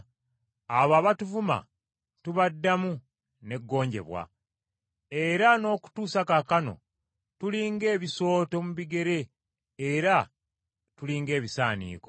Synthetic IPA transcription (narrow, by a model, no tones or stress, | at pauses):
aβaːβatuvuma̰ | tuβadːamu | ne̞ɡːo̞ːɲɟe̞̰βwa̰ | e̞ɾano̞ːku̥tuːsakakano̞̰ | tuliːŋɡe̞ːβiso̞ːto̞muβiɡe̞ɾe̞ː | ɾa | tuliːŋɡe̞ːβisaːnḭːko̞̰